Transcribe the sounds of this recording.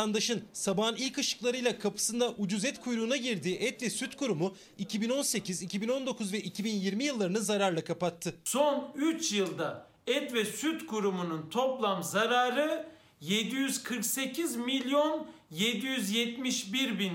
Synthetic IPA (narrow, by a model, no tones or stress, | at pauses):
and̪aʃɯnsabaːnilʲkɯʃɯ̥klˠaɾɯjlˠakʰapɯ̥sɯnd̪aʔud͡ʒuzɛt̪kʰujɾuːnaɟiɾd̪iːʔɛt̪vɛsyt̪kʰuɾumu | icʰibino̞nse̞cʰizicʰibino̞nd̪o̞kʰuzvɛʔicʰibinjiɾmijɯlˠːaɾɯnɯzaɾaɾlˠakʰapat̪ʰːɯso̞nyt͡ʃjɯlˠd̪a | ɛt̪vɛsyt̪kʰuɾumununt̪ʰo̞plˠamzaɾaːɾɯ | jed̪ijyz̥kʰɯɾkse̞cʰizmilʲjo̞njed̪ijyzjɛt̪miʃbiɾbin